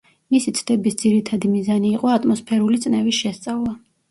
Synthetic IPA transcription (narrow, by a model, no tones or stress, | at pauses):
misit̪sʰd̪̥ɛbisd̪ziɾit̪ʰad̪imizaniːqʼɔat̪ʼmɔspʰɛɾulit̪sʼnɛvisʃɛst̪sʼavlˠa